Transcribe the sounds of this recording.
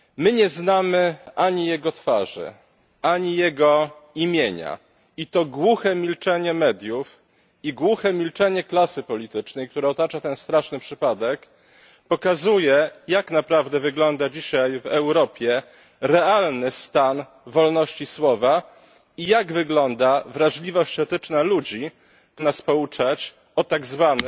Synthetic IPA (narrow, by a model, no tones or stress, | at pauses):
mɘɲɛznamɘaɲijɛɡɔt̪faʐɘ̰ | aɲijɛɡɔimʲjeɲa̰ | it̪ɔɡwuxɛmʲilt͡ʂɛɲɛmɛd̪ʲjuf | iɡwuxɛmʲilt͡ʂɛɲɛklasɘpɔlʲit̪ɘt͡ʂnɛjk̚t̪uɾɛɔt̪at͡ʂat̪ɛnst̪ɾaʂnɘpʂɘpad̪ɛk | pɔkazujɛjaknapɾavd̪ɛvɘɡlɔnd̪ad͡ʑiɕajvɛwɾɔpʲjɛ | ɾɛalnɘst̪an | vɔlnɔɕt͡ɕiswɔva | ijaɡvɘɡlɔnd̪avɾaʐlʲivɔɕt͡ɕɛt̪ɘt͡ʂnalud͡ʑi | naspɔut͡ʂat͡ɕ | ɔt̪aɡzvan